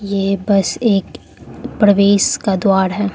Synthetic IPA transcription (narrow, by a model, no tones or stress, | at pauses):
jeːbɐseːk | pɾɐʋeːʃkad̪waːɾɦɛː